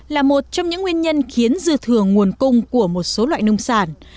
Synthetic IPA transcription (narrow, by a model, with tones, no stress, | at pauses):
laː˨˩mo˨˩t̚t͡ɕɔ˧wŋ͡mɲɨ̰˧˥ŋwi˧ənɲə˧nxi˨˦ənzɨ˧t̪ʰɨ˨˩əŋːu˨˩ənkʊ˧ŋ͡mku˧˩əmo˨˩t̚so˨˦lwa̰ː˧˨jnʊ˧wŋ͡msaː˧˩n